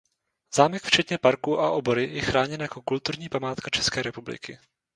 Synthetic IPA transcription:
z̥aːmɛkft͡ʃɛt̪ɲɛpaɾkuʔaʔo̞bo̞ɾɪjɛxɾaːɲɛnjako̞kult̪uɾɲiːpamaːt̪kat͡ʃɛskɛːɾɛpublɪ̰kɪ̰

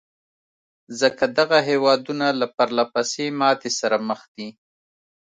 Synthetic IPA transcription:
zəkad̪aɣaɦewɑd̪unalapaɾlapasemɑt̪esaɾaməxd̪̥i

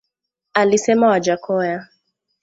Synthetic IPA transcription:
alisɛmawad͡ʒakʰɔja

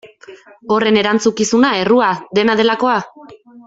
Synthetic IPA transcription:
o̞re̞ne̞ɾant͡sukisunae̞ruaðe̞naðe̞lako̞a

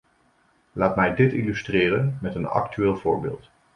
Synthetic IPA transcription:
laːtmɛjdɪtilystrɪːrənmɛtənɑ̰ktyʋɪːlˠvʊːɹbɪ̰ːlˠt

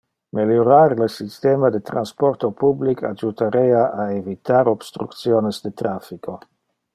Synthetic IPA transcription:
meljoɾaɾlesist̪eːmad̪et̪ɾanspoɾt̪opublikʰa̰d͡ʒut̪aɾeaʔaevit̪aɾob̥st̪ɾukt̪sjoːnezd̪et̪ɾafikʰo

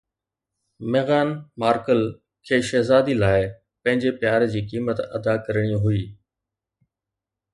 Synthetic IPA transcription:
meːɣaːnmaːɾkəl | kʰeːʃeːzaːd̪ilaːɪ | pɐ̃ɦɪ̃ɲd͡ʑepjaːɾd͡ʑiːkiːmət̪ɐ̰d̪akɐɾɽ̃iɦʊiː

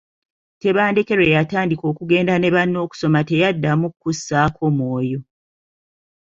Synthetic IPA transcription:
te̞βaːndeke̞ɾe̞jataːndiko̞ːkuɡe̞ːndane̞βanːo̞ːku̥so̞mate̞jadːamukːusːaːkʰo̞mwo̞ːjo̞

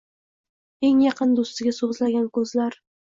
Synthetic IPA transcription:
e̞ŋjɑqʰɨnd̪ost̪ɪɡʲasozlaɡʲankʰɵzlaɾ

